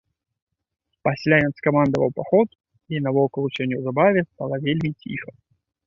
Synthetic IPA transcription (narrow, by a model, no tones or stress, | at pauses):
pɐsʲlʲaɛnskɐmand̪əvəlˠpɐxot̪ | inɐvɔkəlˠʊt͡ʃɛnʲɛwzɐbavʲɪst̪alˠəvʲelʲmʲitʲʰḭxə̥